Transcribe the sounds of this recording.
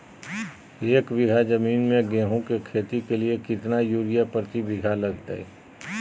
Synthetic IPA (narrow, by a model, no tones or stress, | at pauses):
eːkʋɪɡʱad͡ʒɐmiːnmẽɡɛ̃ːɦõkekʰeːt̪ikeliekɪt̪najuːɾijapəɾt̪ibɪɡʱalɐɡ̚d̪ə̰ḛ